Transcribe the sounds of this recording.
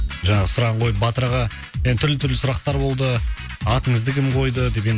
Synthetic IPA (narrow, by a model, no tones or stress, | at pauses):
ʒɑɴɑʁəsʊɾɑʁɑɴqʰo̞jəpbɑt̪əɾʁɑ | ment̪ʰʏɾlɪt̪ʰʏɾlɪsʊɾɑq̚t̪ɑɾbo̞lˠd̪ə | ɑt̪əɴəzd̪əkʲɪmqʰo̞jd̪əd̪e̞p̬en